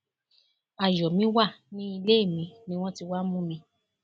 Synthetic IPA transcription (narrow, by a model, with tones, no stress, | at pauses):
a˨jɔ˨mĩ˨˦wa˦˨nĩ˦i˧le˦i˦˨mĩ˨˧nĩ˦w̃ɔ̃˦ti˧wa˦mũ˦mĩ˧